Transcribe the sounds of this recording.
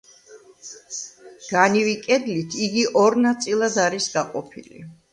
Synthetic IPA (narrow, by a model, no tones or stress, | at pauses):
ɡ̥anivikʼɛd̪lit̪ʰiɡiʔɔɾnat̪sʼilˠad̪aɾisɡaqʼɔpʰḭlḭ